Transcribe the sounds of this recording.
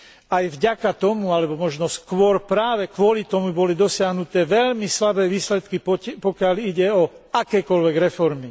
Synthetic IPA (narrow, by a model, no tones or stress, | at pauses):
ajvɟakat̪ɔmualɛbɔmɔʒnɔskʋɔɾpɾaːʋɛkʋʊɔlit̪ɔmubɔlid̪ɔsɪaɦnut̪ɛːʋɛʎmislabɛːʋiːslɛt̪kippɔkɪaliɟɛɔakɛːkɔlʋɛɡɾɛfɔɾmi